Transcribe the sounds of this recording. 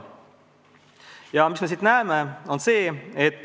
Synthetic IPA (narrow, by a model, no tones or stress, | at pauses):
jɑmisme̞s̬it̪næːemeo̞nse̞ːet̪ː